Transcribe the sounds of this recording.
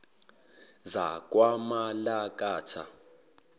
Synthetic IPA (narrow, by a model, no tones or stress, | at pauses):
za̰kʼwamalakʼaːtʰa